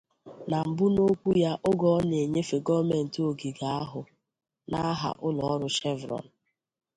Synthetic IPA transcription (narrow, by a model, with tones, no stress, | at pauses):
na˨m̩˨bʊ˦no˦kʷu˦ja˦ʔʊ˦ɡɔ˦ɔ˦ne˨ɲe˦fe˨ɡɔ˦me˨n̩˨to˨ɡi˨ɡa˨˦a˦ɦʊ˨ | na˦ɦa̰˨ʔʊ˦lɔ˨ɔ˦ɾʊ˦ʃɛ˦vɾɔ̰˨n̩˨